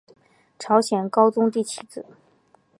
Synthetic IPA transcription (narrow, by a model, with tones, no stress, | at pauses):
ʈ͡ʂʰɑ˧˥ʊɕjɛ˨˩nkɑ˥ʊt͡sʊ˥ŋt̪i˥˩t͡ɕʰi˧˥˩t͡sɹ̩˨˩˦